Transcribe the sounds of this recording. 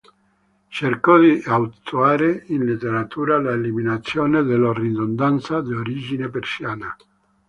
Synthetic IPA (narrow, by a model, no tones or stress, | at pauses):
t͡ʃerkɔd̪iawt̪uaːɾeinlit̪ːeɾat̪ʰuːɾalaeliminat̪sːjoːned̪elarid̪ond̪ant̪sad̪ioɾid͡ʒinepersjaːna